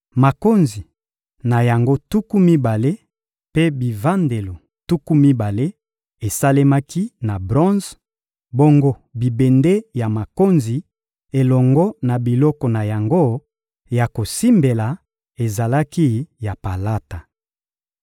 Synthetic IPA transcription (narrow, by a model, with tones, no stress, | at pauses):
ma˨ko˦nzi˨ | na˨ja˨ŋɡo˦tu˦ku˦mi˦ba˨le˦ | pe˦bi˨va˦nde˨lo˨ | tu˦ku˦mi˦ba˨le˦ | e˨sa˦le˦ma˦ki˦na˨bʁɔ̃˦nz | bo˦ŋɡo˦bi˨be˨nde˦ja˨ma˨ko˦nzi˨ | e˨lɔ˨ŋɡɔ˦na˨bi˨lɔ˦kɔ˨na˨ja˨ŋɡo˦ | ja˨ko˨si˦mbe˨la˨ | e˨za˨la˦ki˦ja˨pa˨la˦ta˨